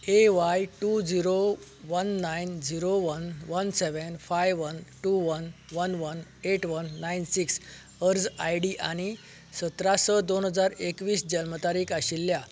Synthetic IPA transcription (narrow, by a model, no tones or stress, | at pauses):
eʋajʈud͡ziɾo | ʋənːajnd͡ziɾoʋənʋənseʋənfajʋʋənʈuʋənʋənʋəneʈʋənːajnsiks | əɾd͡zajɖiʔaɽ̃i | sət̪ɾasəd̪onɦəd͡zaɾekʋiːsd͡ʑəlmət̪aɾiːkaɕilːja